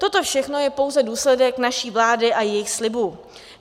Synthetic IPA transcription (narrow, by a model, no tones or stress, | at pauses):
t̪o̞t̪o̞fʃɛxno̞jɛpo̞wzɛduːslɛdɛknaʃiːvlaːdɪʔajɛjɪxslɪbu